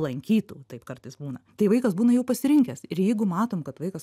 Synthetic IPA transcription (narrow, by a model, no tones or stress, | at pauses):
lˠɐŋʲkʲiːt̪ṵːt̪ɐɪpkɐrt̪ɐɪsbuːnɐt̪ɐɪʋɐɪkɐsbuːnɐjɛʊpɐsʲɪɾʲɪŋʲkʲɛsɪɾjɛɪɡʊmɑːt̪oːmkɐt̪ʋɐɪkɐs